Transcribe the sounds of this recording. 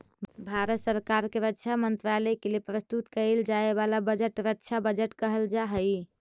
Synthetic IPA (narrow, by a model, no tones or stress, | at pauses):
bʱaɾət̪səɾkaɾkeɾətːʃʰamənt̪ɾaləkelepɾəst̪ut̪kəld͡ʒaebalabəd͡ʒəʈɾətːt͡ʃʰabəd͡ʒəʈkəɦəld͡ʒaɦəj